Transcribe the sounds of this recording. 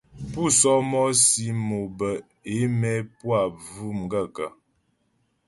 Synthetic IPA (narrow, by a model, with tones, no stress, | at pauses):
pu˦˨sɔ˦mɔ˦si˦mo˨bə˨ | e˨˦mɛ˦pwa˦˨vu˦m˨ɡa˦˨ka˨